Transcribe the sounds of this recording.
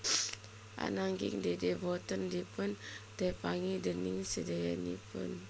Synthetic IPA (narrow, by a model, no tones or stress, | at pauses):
ʔa̰naŋɡḭŋdedebɔt̪ɔndipʊnt̪epaŋidəniŋsədajanḭpʊ̰n